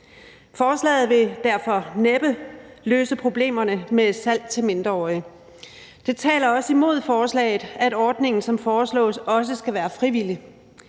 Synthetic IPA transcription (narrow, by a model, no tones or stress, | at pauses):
fɒːslɛ̰ːð̞̩ˠʋe̝d̥æɐfɒ̽neb̥əløːsəpʰʁo̝b̥le̝̰ːmɐnəme̥sæl̰d̥̚t͡sʰe̝lme̝nd̥ʁɐɒː | d̥e̝t͡sʰɛ̰ːlɐɒ̽səimo̝ð̞̰ˠfɒːslɛ̰ɪð̩ˠæɾɒːd̥ne̝ŋn̩sɒ̽mfɒːslɔ̰̽ːsɒ̽s̬əsɡ̥æʋæːɐfʁiʋil̰i